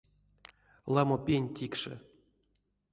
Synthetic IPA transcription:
lˠɑmopʲenʲtʲikʂɨ̰

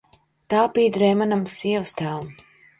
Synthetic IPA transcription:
t̪aːpiːd̪ɾɛmanamsiɛwst̪ælˠm

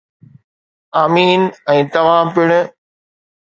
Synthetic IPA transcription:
aːmiːnɛ̃ːt̪ɐʋ̤ãːpɪɽ̃ʊ̆

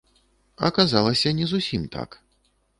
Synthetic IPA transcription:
ɐ̰kazalˠɐsʲɐnʲɛzusʲimt̪ʰa̰k

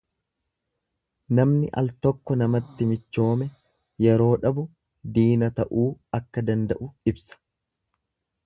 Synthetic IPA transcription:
nɐmnɪʔɐ̰lt̪ɔkːɔnɐmɐt̪ːɪmɪt͡ʃːo̞ːmɛ | jɛɾo̞ːᶑɐbʊ | d̪iːnɐt̪ɐʔuːɐkːɐd̪ɐnd̪ɐʔʊɪbsɐ̥

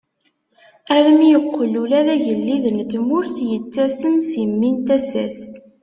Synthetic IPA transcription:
æləmjəqːəlulæðæʝəlːiðənt̪mʊɾθjət͡sːæsənsimːint̪æsæs

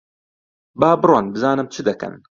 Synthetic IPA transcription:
baːbɨɾwanbɨzaːnɨmt͡ʃʰɨd̪ɐkɐ̰n

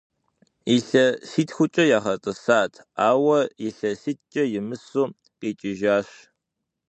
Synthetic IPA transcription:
iɬɐsiːtxʷʊt͡ʃʼɐjaːχɐt͡sʼɨsaːtʰaːwɐjɪɬɐsiːt̚ʰt͡ʃʼɐjɪmɨsuː | qʼiːt͡ʃʼɪʒaːɕ

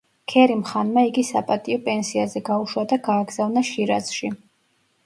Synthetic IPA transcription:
kʰɛɾimχanmaiɡisapʼat̪ʼiɔpʼɛnsiazɛɡauʃwad̪aɡaːɡzavnaʃiɾa̰z̥ʃi

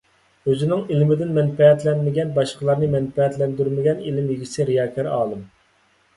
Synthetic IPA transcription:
øzynɪŋilmɪd̪ɪnmɛnpɛɛt̪lɛnmɪɡʲɛnbɑʃqəlˠɑɾnɨmɛnpɛɛt̪lɛnd̪yɾmɪɡʲɛnilɪmjiɡʲisɪɾijɑːkʲʰɑɾɑːlˠɨm

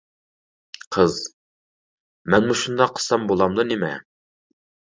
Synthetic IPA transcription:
qʰəz | mɛnmuʃund̪ɑqʰːə̥sɑmbolˠɑmd̪unemɛ̰

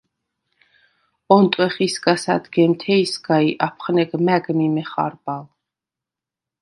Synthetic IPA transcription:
ɔnt̪ʼwɛχisɡasa̰d̪ɡɛmt̪ʰɛisɡaiʔapʰχnɛɡmæɡmimɛχa̰ɾbalˠ

